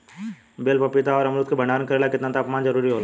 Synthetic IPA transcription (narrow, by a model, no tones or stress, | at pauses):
beːlpɐpɪt̪aɔːɾɐmɾuːt̪kebʱɐɳaːɾnkɐɾeːlakɪt̪nat̪ɐɐpmaːnzɐɾuːɾiɦoːla